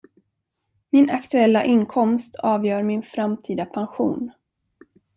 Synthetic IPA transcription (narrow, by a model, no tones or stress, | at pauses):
mɪnakt̪ɵɛlːaʔɪnkʰɔmst̪ʰɑːvjœːɾmɪnfɾamt̪ʰiːd̪apʰanɧṵːn